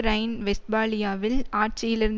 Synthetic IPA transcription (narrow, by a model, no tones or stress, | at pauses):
ɾɐɪnʋɛs̚baːlɪjaːʋɪlaːʈʈ̚t͡ʃɪjɪlɪɾɯnd